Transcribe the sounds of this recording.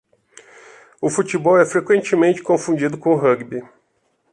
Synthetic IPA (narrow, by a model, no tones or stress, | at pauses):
ʊfut͡ʃibɔwɛfɾekwẽnt͡ʃɪmẽnt͡ʃɪ̥kõfũnd͡ʒid̪ʊkõʊɦɐɡbi